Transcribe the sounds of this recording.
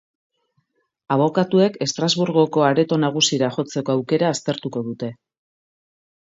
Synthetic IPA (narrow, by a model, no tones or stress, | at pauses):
aβ̞o̞kat̪ue̞ke̞st̪ɾazβuɾɣ̞o̞ko̞aɾe̞t̪o̞naɣ̞usiɾaʝo̞t͡se̞ko̞awke̞ɾaːst̪e̞ɾt̪uko̞ðut̪e̞